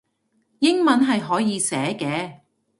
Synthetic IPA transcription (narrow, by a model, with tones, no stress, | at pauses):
jɪ˥ŋmɐ˨˧˥nɦɐ˨jɦɔː˨˥jiː˨˧sɛː˨˥kɛː˨˥